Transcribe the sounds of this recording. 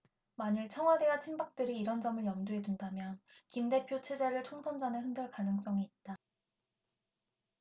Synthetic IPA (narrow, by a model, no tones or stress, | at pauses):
maɲiɭt͡ɕʰʌŋɦwade̞at͡ɕʰinbak̚t͈ɯɾiːɾʌnd͡ʑʌmɯɭjʌmduɦe̞dundamjʌnkimde̞pʰjot͡ɕʰe̞d͡ʑe̞ɾɯɭtʰoŋsʰʌnd͡ʑanɯɦɯndɯɭkanɯŋs͈ʌŋiːt̚t͈a